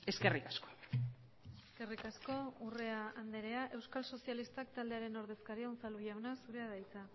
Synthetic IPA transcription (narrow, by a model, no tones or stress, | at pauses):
e̞ske̞rikasko̥ | eske̞rikasko̞ure̞aand̪e̞ɾe̞aʔe̞wskalso̞sialist̪akt̪ald̪e̞aɾe̞no̞ɾðe̞skaɾiaont͡saluʝawnasuɾe̞aðajt͡sa